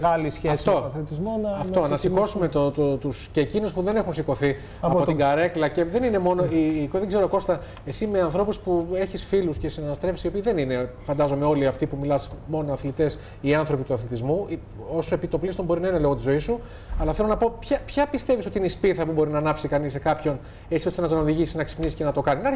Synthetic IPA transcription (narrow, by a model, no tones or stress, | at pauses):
ɣɐlisçeɐsft̪oɐθlit̪izmonɐɐft̪onɐsiko̞sumet̪ot̪ot̪usceːcinuspuðe̞ne̞xunsiko̞θi | ɐpo̞t̪iɡɐɾe̞klɐce̞ðe̞nine̞mo̞no̞ikoðeɡze̞ɾoko̞st̪ɐ | e̞sime̞ɐnθɾo̞puspueçisfiluscesinɐnɐst̪ɾe̞fsio̞piːðe̞nine̞fɐnd̪ɐzo̞me̞o̞liɐft̪ipumilɐsmo̞nonɐθlit̪e̞s | iɐnθɾo̞pit̪uɐθlit̪izmu | o̞soepit̪o̞plist̪o̞mbo̞ɾinɐine̞lo̞ɣo̞t̪izo̞isu | ɐlɐθelo̞nɐpo̞pçɐpçɐpist̪e̞visot̪iineispiθɐpubo̞ɾinɐːnɐpsikɐnisːekɐpço̞n | et͡sio̞st̪enɐt̪o̞no̞ðiʝisiznɐksi̥pnisi̥ce̞nɐt̪o̞kɐninɐ